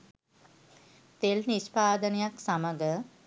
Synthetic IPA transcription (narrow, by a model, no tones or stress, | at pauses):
t̪elnispaːd̪ənəjaksaməɡə